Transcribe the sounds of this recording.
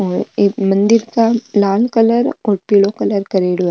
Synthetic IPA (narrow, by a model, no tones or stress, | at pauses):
ɔːɾeːmɐ̃nd̪ɪɾkalaːlkɐləɾɔːɾpiːlokɐləɾkɐɾeːɽua